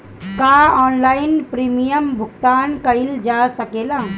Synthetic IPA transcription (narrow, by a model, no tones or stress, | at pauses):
kaɔːnlainpɾimijəmbʱuɡ̚t̪aːnkəjld͡ʒasəkela